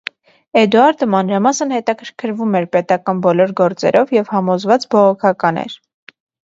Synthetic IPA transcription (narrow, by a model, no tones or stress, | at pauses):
ɛd̪uɑɾd̪əmɑnɾɑmɑsənhɛt̪ɑkʰəɾkʰəɾvumɛɾpɛt̪ɑkɑnbɔlɔɾɡɔɾt͡sɛ̰ɾʔɔvjɛvhɑmɔzvɑt͡sbɔʁɔkʰɑkɑnɛ̰ɾ